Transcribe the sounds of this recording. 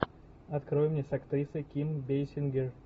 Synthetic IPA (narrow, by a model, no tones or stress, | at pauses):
ɐt̪kɾojʊmnʲesɐkt̪ɾʲisəjkʲimbʲejsʲɪnɡʲɪr